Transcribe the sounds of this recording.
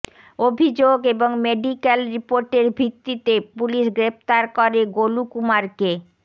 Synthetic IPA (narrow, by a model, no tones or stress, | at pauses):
obʱid͡ʑoɡeboŋmeɖikelɾipoɾʈeɾbʱit̪ːit̪epuliʃɡɾept̪aɾkɔɾeɡolukumaɾke